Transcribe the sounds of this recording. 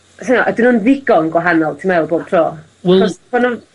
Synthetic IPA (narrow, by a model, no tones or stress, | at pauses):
sanaʔadwinunðɪɡɔnɡwaɦanɔlˠtʰimaɛlˠboːb̥̚tʰrɔː | wɛɔpɔnɔ